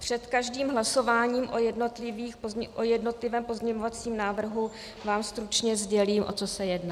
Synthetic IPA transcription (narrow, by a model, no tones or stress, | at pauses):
pr̝̥ɛt̪kaʒdiːmɦlaso̞vaːɲiːmʔojɛdno̞t̪lɪviːxpozʔojɛdno̞t̪lɪvɛːmpo̞zɲɛɲovat͡siːmnaːvr̩ɦu | vaːmst̪ɾut͡ʃɲɛzɟɛliːmʔo̞̰t͡so̞sɛjɛdna